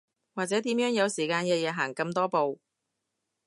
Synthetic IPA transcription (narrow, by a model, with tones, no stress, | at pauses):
waː˨k̚t͡sɛː˨˥t̪iː˨˥mjœː˨˥ŋjɐ˨˧wsiː˨˩kaː˧nkɛː˧jɛː˨˧ɦaː˨˩ŋkɐ˧mt̪ɔː˥po˨w